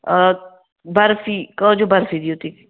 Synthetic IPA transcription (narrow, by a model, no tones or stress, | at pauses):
bɐɾfikəd͡ʒobɐɾfid̪iot̪ik